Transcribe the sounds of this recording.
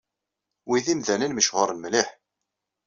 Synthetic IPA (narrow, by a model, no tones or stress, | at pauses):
wiðimðænənməʃʁʊɾˤnmlɪħ